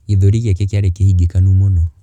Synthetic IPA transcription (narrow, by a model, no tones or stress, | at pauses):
iðɔɾiɣɛkekaɾekehiɡikanumɔnɔ